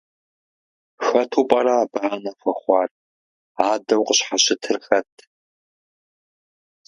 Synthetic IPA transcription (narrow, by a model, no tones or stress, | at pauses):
xɐtʰuːpʼɐɾaːbaːnɐfʷɐχʷɑːr | aːdɐwqəɕħaɕɪtʰɨrxɐtʰ